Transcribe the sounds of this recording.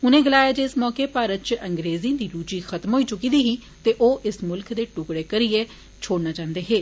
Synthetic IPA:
ʊnẽːɡəlaːjaːd͡ʒeːɪsmɔːkeːpaːɾət̪̚t͡ʃəŋɡɾeːzĩːd̪iːɾuːt͡ʃiːxʰət̪mɦoːiːt͡ʃʊkiːd̪iːɦiː | t̪eːʔoːʔɪsmʊlkd̪eːʈʊkɽeːkəɾieː | t͡ʃʰoːɽnaːt͡ʃãːnd̪eːɦeː

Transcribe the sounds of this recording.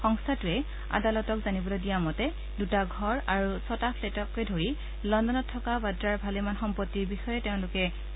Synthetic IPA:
xɔŋstʰatuɛ | a̰dalɔtɔkzanibɔlodijamɔtɛ | dutaɡʱɔɹaɹusɔtapʰletɔkɛdʱoɹi | lɔndɔnɔtʰːɔkabadɹaɹbʱalemanxɔmpɔtːiɹbixɔjɛtɛʊ̃lʊkɛ

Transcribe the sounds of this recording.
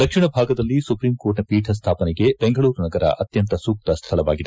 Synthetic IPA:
d̪ɐkʂiɳɐbʱaːɡɐd̪ɐlːisupɾiːmkoːɾʈnɐpiːʈʰɐs̬t̪ʰaːpɐnɛɡe̞beŋɡɐɭuːɾnɐɡɐɾɐ̰ʔɐt̪jɐnt̪ɐsuːk̚t̪ɐst̪ʰɐɭɐʋaːɡid̪e

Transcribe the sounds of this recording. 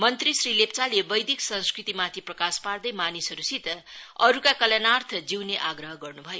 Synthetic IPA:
mʌnt̪risrilept͡salebʌjd̪iksʌnskrit̪imat̪ʰiprʌkaspard̪ʌjmanisʌɾusit̪ʌʌɾukakʌlanart̪ʰʌd͡ziwneʔaɡrʌɦʌɡʌrnubʱʌjo

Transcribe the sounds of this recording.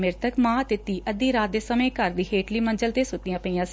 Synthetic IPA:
mɪɾt̪əkmãːt̪eːt̪ːiːʔəd̪iːɾaːt̪̚d̪eːsəmẽːkəɾd̪iːɦeːʈliːmənd͡ʒəlt̪eːsʊt̪ːɪjãːpəĩːãːs

